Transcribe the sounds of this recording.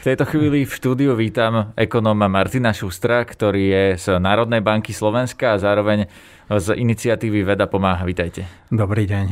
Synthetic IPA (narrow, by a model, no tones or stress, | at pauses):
ft̪ɛjt̪ɔxʋiːlifʃt̪uːd̪iuʋiːt̪amɛkɔnɔːmamaɾt̪inaʃust̪ɾakt̪ɔɾiːjɛz̥naːɾɔd̪nɛjbaŋkislɔʋɛnskaːzaːɾɔʋɛɲ | zinit͡sɪat̪iːʋiʋɛd̪apɔmaːɦaʋit̪ajcɛ | d̪ɔbɾiːɟɛɲ